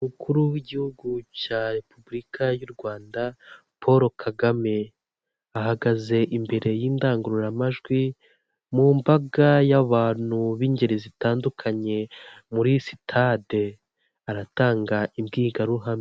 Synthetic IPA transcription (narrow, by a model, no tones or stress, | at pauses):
umukʰuɾuwiɟihuɡucaːɾe̞pubuɾikajuɾɡwaːnda | pʰo̞ɾo̞kʰaɡame̞ | ahaɡaze̞ʔimbe̞ɾe̞jiːndaːŋɡuɾuɾamaʒɡwi | muːmbaɡajaβaːn̥huβiːɲɟe̞ɾezitaːndukʰaɲe̞ | muɾisi̥tʰade̞ | aɾataːŋɡaʔimɡiːɡaɾuɦami